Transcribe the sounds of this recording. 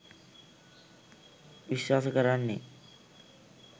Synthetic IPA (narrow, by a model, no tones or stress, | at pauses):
biʃwaskɔɾaɾnḛ